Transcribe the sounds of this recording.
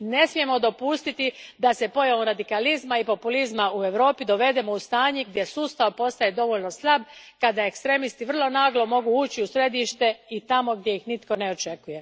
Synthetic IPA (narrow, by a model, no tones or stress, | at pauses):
ne̞smije̞mo̞d̪o̞puːst̪it̪id̪ase̞po̞jaʋoɾad̪ikalizmaipo̞pulizmaue̞ʋɾo̞ːpid̪o̞ʋe̞d̪e̞mo̞ust̪aːɲeɡ̚d̪je̞suːst̪aʋpo̞st̪ajed̪o̞ʋo̞ʎno̞slˠabkad̪ae̞kst̪ɾe̞mist̪iʋr̩lˠo̞naːɡlo̞mo̞ɡuuːt͡ɕiusɾe̞d̪iʃt̪e̞it̪amo̞ɡd̪je̞jixnit̪ko̞ne̞o̞t͡ʃe̞kuje̞